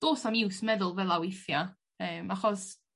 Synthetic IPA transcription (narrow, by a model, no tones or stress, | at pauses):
d̥oːsamɪwsmɛðʊlˠvɛlˠawɪθja | əːmaχɔs